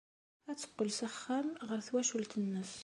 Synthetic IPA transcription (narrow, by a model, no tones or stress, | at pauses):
æt͡sːə̥qːəlsəχːæmʁəɾθwæʃult̪ʰənːəs